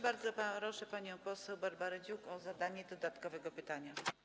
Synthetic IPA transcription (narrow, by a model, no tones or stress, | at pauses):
baɾd̪zɔpaɾɔʂɛpaɲɔ̃w̃pɔsɛwbaɾbaɾɛd͡ʑukɔzad̪aɲɛd̪ɔd̪at̪kɔvɛɡɔpɘt̪aɲa